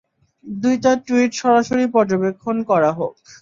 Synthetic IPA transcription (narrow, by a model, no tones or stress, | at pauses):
d̪ujtaʈuiʈʃɔɾaʃoɾipɔɾd͡ʑobekʰːonkɔɾaɦok̚